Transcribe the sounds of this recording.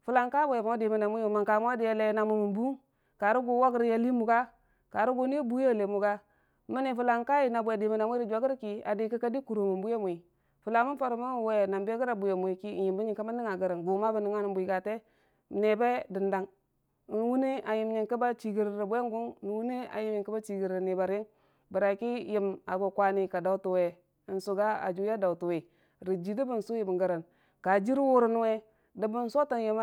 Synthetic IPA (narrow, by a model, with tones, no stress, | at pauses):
fu˨la˨ŋka˦bwe˨m˨o˦di˨mi˨na˨mu˦o˨ma˨ŋka˨m˦a˦di˨ja˨le˨˦na˨mu˨mu˨nbu˦ŋ | ka˨ɾu˦ɡu˨˦wa˦ɡi˦ɾja˦li˦mu˨ɡa˦ | ka˨ɾu˦ɡu˨ni˦bu˦ja˦˨le˨mu˨ɡa˦ | mi˦ni˨fu˨la˨ŋka˦ji˨na˨bʷe˨di˨mi˨na˨mu˦ɾi˨d͡ʒʷa˨ɡi˦ɾki˨a̰˨di˨ki˦ka˦di˦ku˨ɾu˨mu˨mbu˦je˦mu˨i˨ | fu˨la˨mu˦fa˨ɾu˨mu˦˨we˨na˨mbe˦ɡi˦ɾa˨bu˨je˨mu˨i˨ki˦˨ji˨mbi˦ɲi˨ka˦ma˦ni˦ŋa˨ɡə˨ɾa˨nɡu˨ma˦ba˨ni˨ŋa˦ni˨bu˨i˨ɡa˨te˦ | m˨ne˨be˦di˨nda˨ŋ˨ | wu˦ni˦ʔa˨ji˨mɲi˨ŋki˦ba˦t͡ʃi˨ɡi˨ɾɾi˨be˦ŋ˦ɡu˦ŋ˦n˨wu˦ni˦a̰˨ji˨mji˨ŋki˦ba˦t͡ʃi˨ɡi˨ɾɾni˨ba˨ɾji˦ŋ | bə˨ɾa˨ki˦ji˦˨ma˨ɡo˨kwa˦ni˦ka˨da˨u˦tu˨we˨ | i˨nsu˨ɡa˦a̰˨d͡ʒu˦ja˦da˨wtu˨we˨ | ɾi˨d͡ʒi˨di˦bu˨n̩˨su˦ji˦˨m˨ŋɡə˨ɾa˨n | ka˨d͡ʒi˦ɾwu˦ɾu˦n˦we˦ | də˨bu˦n˦so˦ta˦˨˦ji˨m˦